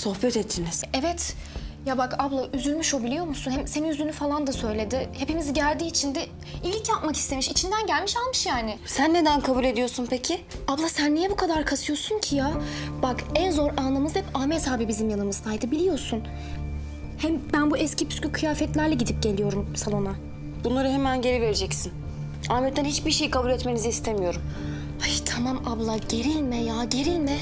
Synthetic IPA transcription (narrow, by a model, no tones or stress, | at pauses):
so̞hpɛt̪ɛt̪ːiniz̥ɛvɛt̪ | jabakablˠaʔyzylʲmyʃo̞bilʲijo̞ɾmusunhɛmseninyzynyfalˠand̪asø̞jlʲe̞d̪ɪhe̞pimiziɟælʲd̪iːt͡ʃʰind̪ɛ | ilʲcjapmaki̥st̪ʰe̞miʃit͡ʃʰind̪ænɟælʲmiʃalˠmɯʃjaːnɪsænːe̞d̪ænkʰabulʲe̞d̪ijo̞ɾsunpʰecʰɪablˠasænːijɛbukʰad̪aɾkʰasɯjo̞ɾsuncʰijab̥akɛnzo̞ɾʔanlˠamɯzhɛpaːmɛt̪ʰaːbibizimjanɯmɯzd̪ajd̪ɯbilʲijo̞ɾsun | hɛmbænbuʔɛscipʰy̥scʲykʰɯjaːfɛt̪lʲæɾlʲɛɟid̪ip̚ɟe̞lʲijo̞ɾumsalˠona | b̥unlˠaɾɯɦemænɟe̞ɾive̞ɾed͡ʒɛcsin | aːmɛt̪ːænhit͡ʃbiɾʃejikʰabulʲɛt̪me̞niziːst̪ʰemijo̞ɾum | aʃt̪ʰamamablˠaɟe̞ɾilʲmɛjaːɟe̞ɾilʲmɛ